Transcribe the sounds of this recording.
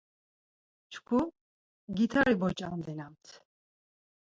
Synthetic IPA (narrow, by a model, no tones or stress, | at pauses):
t͡ʃʰkʰu | ɡit̪ʰaɾibɔt͡ʃʼamd̪ɛnamt̪ʰ